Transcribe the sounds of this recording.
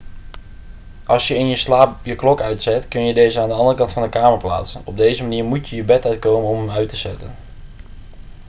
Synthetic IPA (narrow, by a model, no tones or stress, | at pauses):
ʔɑlˠsjəɪnjəslaːpjəklɔkœɥtsɛtkɵnjədejzəaːndəɑndərəkɑntfɑndəkaːməɹpla̰ːtsənɔb̚dejzəmaniːɹmutjəjəbɛtœɥt̚kowmənɔməmœɥtəz̥ɛ̰tə̰n